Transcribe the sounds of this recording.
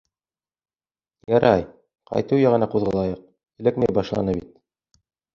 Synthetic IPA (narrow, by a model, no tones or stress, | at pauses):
jɑɾʔɑj | qɑ̰jt̪ɤjæʁɤ̆nɑquðʁɤ̆lˠɑjɤq̚ | ɘ̆lɘk̚mejbɑʃlˠɑ̰nɤbit̪̚